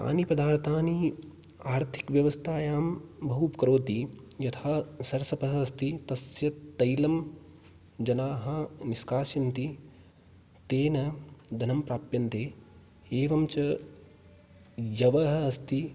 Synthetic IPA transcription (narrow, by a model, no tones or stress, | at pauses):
a̰ːnipɐd̪aːɾt̪aːniaːɾt̪ʰi̥kʋjɐʋɐst̪ʰaːjaːmbɐɦupkɐɾoːt̪ijɐt̪ʰaːsɐɾɐsɐpɐɦɐɐst̪it̪ɐsjɐt̪ːɐjlɐm | d͡ʒɐnaːɦɐ̆niskaːʃjɐnt̪i | t̪eːnɐd̪ʱɐnɐmpɾaːpjɐnt̪eː | eːʋɐmt͡ʃɐ | jɐʋɐɦɐɐst̪i